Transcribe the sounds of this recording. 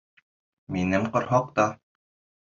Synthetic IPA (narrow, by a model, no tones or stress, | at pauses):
minɘmqŏɾɦɑq̚t̪ɑ